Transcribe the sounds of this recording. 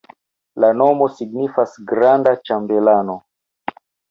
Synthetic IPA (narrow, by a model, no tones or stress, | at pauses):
lanomosiɡnifasɡɾandat͡ʃambelano